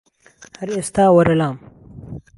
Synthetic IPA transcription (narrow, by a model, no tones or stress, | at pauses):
hɐɾiɐst̪aːwɐɾɐlaːm